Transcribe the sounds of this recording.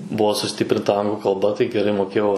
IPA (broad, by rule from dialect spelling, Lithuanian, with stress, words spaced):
ˈbuɔ sʊˈsʲtʲɪpʲrʲɪntɐ ˈɐŋɡlˠʊ kɐlˠˈbɐ tɐɪ ɡʲɛˈrɐɪ moːˈkʲeːjɛʊ